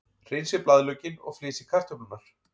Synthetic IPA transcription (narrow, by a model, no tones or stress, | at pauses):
r̥ejnsɪplaðlœːcɪnɔ̰ɣfleːsɪ̥kʰar̥t̪ʏpʏnaɾ̥